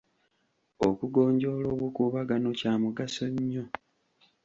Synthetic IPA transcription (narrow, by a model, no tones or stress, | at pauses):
okuɡo̞ːɲɟo̞ːlo̞ːβukuːβaɡano̞caːmuɡaso̞ɲːo